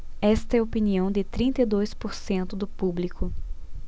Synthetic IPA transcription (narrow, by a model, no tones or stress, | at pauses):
ɛst̪ɐɛopiniɐ̃w̃d̪ɪt̪ɾĩnt̪ɐid̪ojspoɾsẽnt̪ʊd̪ʊpublikʊ